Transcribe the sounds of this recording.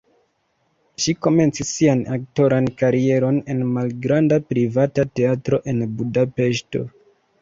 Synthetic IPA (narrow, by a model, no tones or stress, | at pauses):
ʃiko̞me̞nt͡sisːianak̚to̞ɾankaɾie̞ɾo̞ne̞nmalɡɾandapɾivatate̞atɾo̞ʔe̞nbudape̞ʃto̞̰